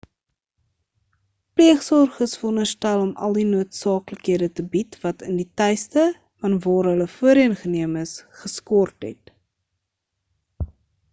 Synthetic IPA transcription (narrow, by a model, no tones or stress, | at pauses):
pliəχsɔrχəsfɔnərstælɔmɐ̰lˠdinuətsɑːkləkɦiədətəbitvɐtənditɛjstə | fɐnvɑːɾɦələfuəɾiənχəniəməsχəskɔrtɦɛ̰t